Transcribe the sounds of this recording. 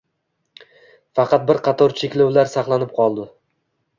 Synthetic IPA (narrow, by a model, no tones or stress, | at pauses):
fɑqɑt̪̚bɪɾqʰɑt̪ʰɒɾt͡ʃʰekʲlawlaɾsɑχlˠanɪp̚qʰɒlˠd̪ɪ